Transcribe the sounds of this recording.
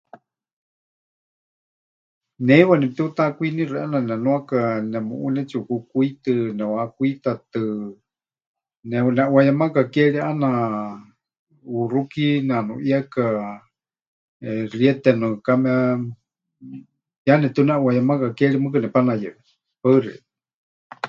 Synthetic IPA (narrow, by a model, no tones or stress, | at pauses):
nɛiwanɛpt̪ɛut̪akʷuinĩrʔananɛnũakanɛmṵʔunɛt͡ʃiukukuit̪ɨnɛwakuit̪at̪ɨ | nɛnɛʔuwajamakakɛɺiʔana | urukinanuʔjaka | ɛriɛt̪ɛnɨkamɛa | janɛt̪uunɛʔwajamakakɛɺimɨk̬anɛpanajɛʔɛ | paɨriʔɛ